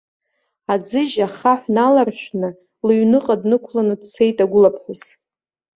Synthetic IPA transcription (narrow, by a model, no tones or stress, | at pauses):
ad͡zɨʒaχaħʷnalarʃᶣʷnɨ | lɥnɨqʼadnɨkʷʰlanɨdsʰe̞jtʼaɡʷʊlapʰħʊz